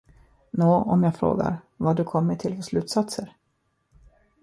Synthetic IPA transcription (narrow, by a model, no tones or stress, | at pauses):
noːɔmjɑːɡfɾo̰ːɡa̰ɾ | vaɖɵkʰɔmːəʈʰɪlfɔsʂlʉ̟ːt̪sat̪səɾ